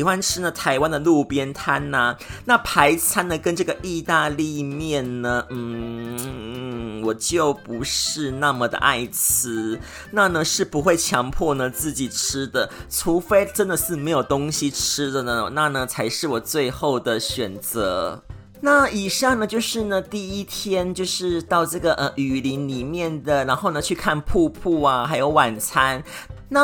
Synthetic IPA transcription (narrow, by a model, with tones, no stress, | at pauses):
xwa˦nʈ͡ʂʰɻ̩˥nə˨t̪ʰa˧˥ɪwa˦nd̪ə˨lu˥˧pjɛ˥nt̪ʰa˥na˨na˥˩pʰa˧˥ɪt͡sʰa˥nd̪ə˨kə˦˥nʈ͡ʂɤ˥˩ɡə˨ʔi˥˧t̪a˥˧li˥˧mjɛ˥˩nnə˩n̩˥˩ | wɔ˨˩t͡ɕjo˥˩ʊpu˧˥ʂɻ̩˥˧na˥˩mə˨d̪ə̰˩ʔa̰˥˩ɪt͡sʰɹ̩˥ | na˥˩nə˩ʂɻ̩˥˩pu˧˥xwe˥˩ɪt͡ɕʰjɑ˧˥ŋpʰwɔ˥˩nə˨t͡sɹ̩˥˩t͡ɕi˨˩ʈ͡ʂʰɻ̩˥d̪ə˨ʈ͡ʂʰu˧˥fe˥ɪʈ͡ʂə˥nd̪ə˨ʂɻ̩˥˩me˧˥ɪjo˨˩ʊt̪ʊ˥ŋɕi˨ʈ͡ʂ̩ʰ˥d̪ə˨nə˩na˥˩nə˩t͡sʰa˧˥ɪʂɻ̩˥˩wɔ˨˩t͡swe˥˧ɪxo˥˩ʊd̪ə˩ɕɥɛ˨˩nt͡sɤ̰˧˥ | na˥˩i˨˩ʂɑ˥˩ŋnə˨˩t͡ɕjo˥˧ʊʂɻ̩˥˩nə˩t̪i˥˩i˥t̪ʰjɛ˥nt͡ɕjo˥˧ʊʂɻ̩˥˧t̪ɑ˥˧ʊʈ͡ʂɤ˥˩ɡə˩ʔə˧ʔy˨˩li˧˦˥nli˨˩mjɛ˥˩nd̪ə˩ɻa˧˥nxo˥˩ʊnə˨˩t͡ɕʰy˥˧kʰa˥˧npʰu˥˧pʰu˥˩a˩xa˧˥ɪjo˧˥ʊwa˨˩nt͡sʰa˥nna˥˨